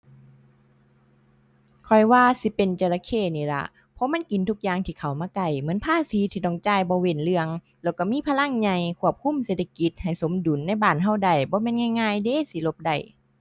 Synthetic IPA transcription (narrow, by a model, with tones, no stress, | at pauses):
kʰɔ˨˩jwaː˧si˧˦pe˨nt͡ɕa˧˩la˧kʰeː˧˥˩niː˧˩la̰˧ʔ | pʰɔ˧˦ma˧˥˨nki˨nt̪ʰu˧k̚jaː˧˨ŋt̪ʰiː˧˩kʰa˨˩wmaː˧˨ka˧˩jmɯ˨˦ə˦npʰaː˧˥˨siː˨˦t̪ʰiː˧˩t̪ɔ˧˩ŋt͡ɕaː˧˨jbɔː˧˦we˧˨nlɯ˧əŋ | lɛː˧˩wka˧˩miː˧˥˨pʰa˧la˧˥˨ŋɲa˧jkʰu˧˩əp̚kʰu˧˥˨mseː˧t̪ʰa˧ki˧˦t̪̚ha˨˩jso˨˦mdu˨˦nːa˧˥˨jbaː˧˩˨nɦa˧˩˨wda˧˩jbɔː˧˦meː˧˥˨nŋa˧˨jŋaː˧˥˨jdeː˧˥˨si˧˦lo˧p̚da˧˩j